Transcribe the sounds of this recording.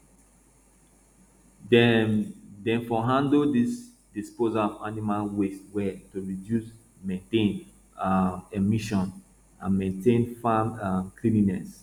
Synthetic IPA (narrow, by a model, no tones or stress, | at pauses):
d | dɛ̃nfɔɦãndoldis | dispozaɔvanimalweswɛtuɹidjus | mẽntẽn | emiʃɔ̃n | ã̰nmẽntẽnfaaklĩninɛs